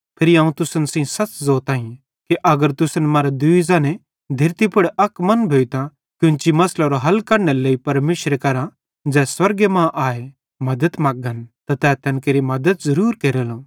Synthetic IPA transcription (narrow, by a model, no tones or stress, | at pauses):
pʰɪɾiaːũt̪ʊsənsĩsɐt͡ʃzoːt̪aːĩ | kiʔɐɡəɾt̪ʊsənmaːɾad̪ʊizãnɛ̃ | d̪ʱɪɾt̪ipʰʊɽɐkmɐnbʱeːit̪ã | kjʊ̃nt͡ʃimɐslaɾoɦɐlkɐɾneleipɐɾmeːʃɾekɐɾã | d͡ʒɛːswɐɾɡemãʔaːe | mɐd̪ət̪maːɡənt̪at̪ɛːt̪ʰɐnkeːɾimɐd̪ət̪zɐɾuːɾkeːɾeːlõ